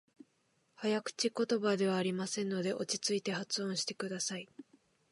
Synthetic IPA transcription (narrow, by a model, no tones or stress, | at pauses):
hajakɯ̟̥t͡ɕiko̞t̪o̞bad̪e̞β̞aːɾʲimasẽ̞nːo̞d̪e̞ʔo̞t͡ɕi̥t͡sɨit̪e̞hat͡sɨõɰ̃ɕi̥t̪e̞̥kɯd̪asai